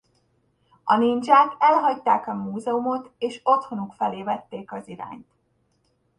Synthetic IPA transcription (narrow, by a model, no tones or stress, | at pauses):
ɒnind͡ʒaːk̪ɛlɦɒct̪aːkɒmuːzɛumo̞t̪eːʃo̞t̪ho̞nukfɛleːvɛt̪ːeːkɒziɾa̰ːɲt̪